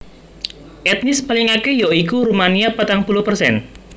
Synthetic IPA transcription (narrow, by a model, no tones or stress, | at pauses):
ʔɛt̪̚nɪspalɪŋakejɔikuɾumaniapat̪aŋpuluhpərsɛ̰n